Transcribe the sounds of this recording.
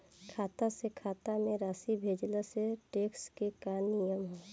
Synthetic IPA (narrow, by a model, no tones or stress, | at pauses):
kʰaːt̪asekʰaːt̪amẽɾaːsibʱeːd͡ʒlaseʈeːkskekanijəmɦoː